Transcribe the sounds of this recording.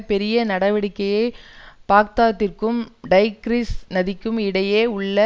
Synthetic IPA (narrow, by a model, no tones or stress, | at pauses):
pɛɾɪjɐnɐɽɐʋɐɽɪkːɐjɐɪpaːk̚t̪aːt̪ːɪrkɯmɖɐɪɡɾisnɐðɪkːɯmɪɽɐjeːʊɭːɐ